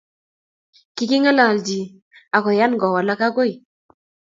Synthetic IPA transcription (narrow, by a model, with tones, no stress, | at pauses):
ki˨ki˦ŋa˦la˨ld͡ʒi˨ | a˨kɔ˨ja˦nɡɔ˨wa˨la˦ka˦ko˦j